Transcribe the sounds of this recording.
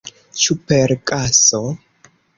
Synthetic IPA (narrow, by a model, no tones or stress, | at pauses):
t͡ʃupeɾkʼaso